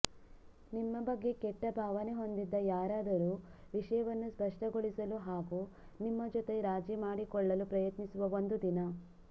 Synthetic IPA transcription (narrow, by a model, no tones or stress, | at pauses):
nimːɐbɐɡːe̞kɛʈːɐbʱaːʋɐne̞ɦo̞nd̪id̪ːɐjaːɾaːd̪ɐɾuː | ʋiʂɐjɐʋɐnːuspɐʂʈɐɡoɭisɐluɦaːɡu | nimːɐd͡ʒɔt̪e̞ɾaːd͡ʒimaːɽikɔɭːɐlupɾɐjɐt̪nisuʋɐʋond̪ud̪inɐ